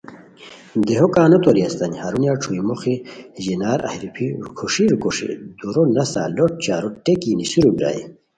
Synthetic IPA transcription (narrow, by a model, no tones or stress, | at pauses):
d̪eɦokaːnot̪oɾiɐst̪ɐɲhaɾunjaʈ͡ʂʰuimoxiʑinaːɾɐ̰hɾipʰiɾukʰuʂiɾukuʂḭd̪uɾonɐsa̰ːloʈ̚t͡ɕaːɾuʈekinisuɾubɾa̰ːḭ